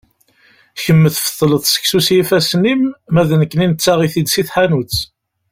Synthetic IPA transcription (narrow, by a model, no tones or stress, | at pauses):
çəmːəθfə̥ðˤːləθsə̥ksusjifæsnimːæðənəkːəninət͡sːaʁiθid̪siθħanut͡s